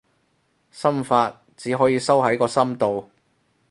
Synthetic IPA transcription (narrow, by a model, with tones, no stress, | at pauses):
sɐ˥mfaː˧t̚ | t͡siː˨˥ɦɔː˨˥jiː˧sɐ˥wɦɐ˨˥jkɔː˧sɐ˥mt̪o˨w